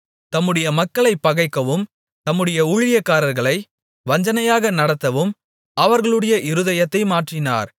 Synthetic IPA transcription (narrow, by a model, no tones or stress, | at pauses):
t̪ɐmːɯɽɐjɐmɐkːɐɭɐɪpːɐɣɐɪkːɐʋɯm | t̪ɐmːɯɽɐjɐuɻɪjɐkːaːɾɐɾɣɐɭɐɪ | ʋɐɲd͡ʒɐnɐjaːɣɐnɐɽɐt̪ːɐʋɯm | ʔɐʋɐɾɣɐɭɯɽɐjɐʔɪɾɯðɐjɐt̪ːɐɪmaːʈrɪna̰ːɾ